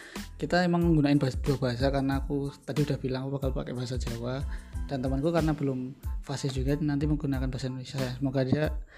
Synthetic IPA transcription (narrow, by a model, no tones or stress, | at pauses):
kit̪aemaŋməŋɡunaɪnbaasad̥uabaɦas̬akarənaːkut̪adiudahb̥ilaŋapakalpa̰kɛbaɦasad͡ʒawad̥ant̪əmankukaɾənabəlʊmfasɪsd͡ʒuɡanant̪̬iməŋɡunakanbaɦasaindonesiajaŋsəmoɡadia